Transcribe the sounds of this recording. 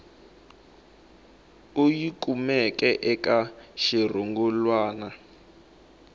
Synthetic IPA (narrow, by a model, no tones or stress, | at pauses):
ujikʼumɛkʼɛʔɛkʼaʃir̤ɔŋɡɔlwaːna